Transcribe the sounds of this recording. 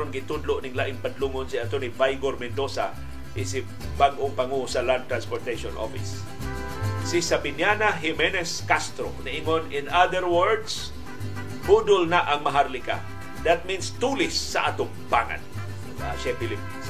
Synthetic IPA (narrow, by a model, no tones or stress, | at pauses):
ʊnɡɪt̪ʊd̪loʔnɪŋlaʔɪŋpad̪luŋonsɪat̪onivajɡoɾmɛnd̪osa | ʔɪsɪ | baɡʔoŋpaŋosɐland̪̚t̪ɾanspoɹt̪ejʃonʔo̰fɪ̰s | ɪsabɪnjanaɦɪmɛnɛskast̪ɾo̰naʔɪŋonɪ̃nad̪əɾwɛɹd̪s | bud̪ʊlnaʔaŋmaɦaɾlɪka̰ | d̪at̪̚minst̪ulɪsːɐ̰ʔat̪ʊŋbaŋa̰n | aʃapɪlip̚ɪns